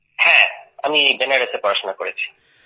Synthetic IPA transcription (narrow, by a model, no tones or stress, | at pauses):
hɛ̃a̰mibenaɾesepɔɾaʃonakoɾet͡ɕʰi̥